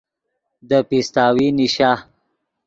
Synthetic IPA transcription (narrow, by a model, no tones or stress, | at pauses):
d̪əpist̪aːwiniʃa